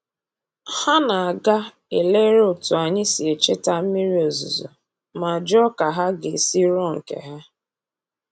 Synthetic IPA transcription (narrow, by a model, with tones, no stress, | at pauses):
ha˦na˨a˨ɡa˦ | e˨le˦ɾʊ˨tʊ˨a˨ɲɪ˦si˨e˨t͡ʃe˦ta˦m̩˦mi˦ɾi˦o˨zṵ˨zo̰˨ | ma˨d͡ʒɔ˦ka˨ɦa˦ɡe˨si˦ɾɔ˦ŋ̩˨kḛ˨ɦa˦